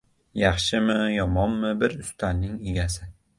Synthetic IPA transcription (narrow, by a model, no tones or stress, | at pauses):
jɑχʃɪmɪjɒmɒnmɪbɪɾʊst̪ʰanːɪŋeɡʲasɪ